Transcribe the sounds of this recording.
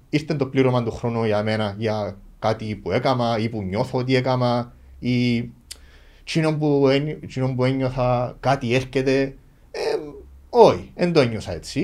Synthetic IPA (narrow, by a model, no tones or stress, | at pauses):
ist̪ent̪opliɾomand̪oxɾonojamenajakat̪ipuekamaipuɲːoθot̪̬iekama | i | t͡ʃinombuet͡ʃinombueɲːoθakat̪ieɾket̪e | e | oiend̪oeɲːosaet͡sːi